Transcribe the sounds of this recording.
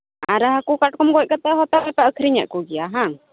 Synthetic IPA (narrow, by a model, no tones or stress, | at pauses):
aɾəɦakukaʈ̚kɔmɡɔc̚kat̪ɛɦɔt̪aɛpɛəkʰɾiɲa̰ʔkuɡɛjaɦãŋ